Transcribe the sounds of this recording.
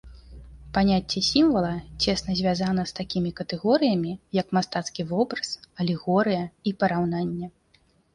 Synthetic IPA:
panʲat͡sʲːɛsʲimvɐlˠɐt͡sʲɛsnɐzʲvʲazanɐst̪akʲimʲikɐt̪ɛɣɔɾɨjɐmʲijɐkmast̪at̪skʲivɔbɾɐsɐlʲiɣɔɾɨjɐipɐɾawnanʲːɛ

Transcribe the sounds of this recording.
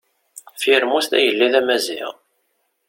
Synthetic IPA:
fiɾmust̪æ̰jəlːiðæmæzɪ̰ʁ

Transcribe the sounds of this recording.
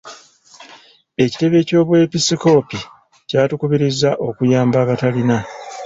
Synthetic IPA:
e̞ci̥te̞βe̞ːco̞ːβwe̞ːpisiko̞ːpi | caːtukuβiɾezaʔo̞kujaːmbaːβatalina

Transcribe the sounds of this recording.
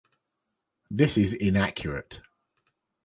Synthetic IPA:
ðɪsɪzɪnakʰjəɹə̰t

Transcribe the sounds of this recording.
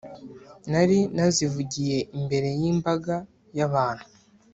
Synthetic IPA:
naɾinazivuɟije̞imbe̞ɾe̞jimbaɡa | jaβaːn̥hu̥

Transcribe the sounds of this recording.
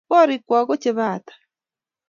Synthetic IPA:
ɔɾikwaɣot͡ʃeβaːt̪ḁ

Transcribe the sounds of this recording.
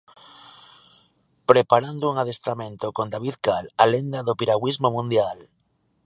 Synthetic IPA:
pɾepaɾand̪ouŋað̞est̪ɾamẽnt̪okond̪aβiðkalalend̪aðopiɾaɣwizmomũnd̪jal

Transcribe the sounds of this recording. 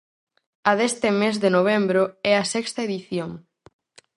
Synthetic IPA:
ɐðest̪ɪmezðɪnoβ̞embɾoɛɐsɛkst̪ɐeðiθjoŋ

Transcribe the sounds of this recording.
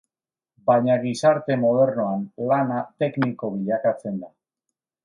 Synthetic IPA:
bajɲaɣisaɾt̪e̞mo̞ð̞e̞ɾnoanlanat̪e̞kniko̞βiʎakat͡se̞nd̪a

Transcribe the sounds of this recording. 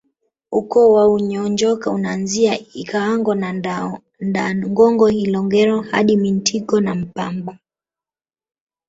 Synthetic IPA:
ukɔːwauɲɔɲd͡ʒɔkaunaːnziaikawaŋɡɔnaa | aŋɡɔŋɡɔhilɔŋɡɛɾɔha̰ɗimintʰikɔnam̩pambɔ

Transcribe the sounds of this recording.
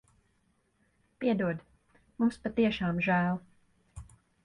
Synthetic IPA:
piɛd̪uɔd̪ | mumspat̪iɛʃaːmʒæːlˠ

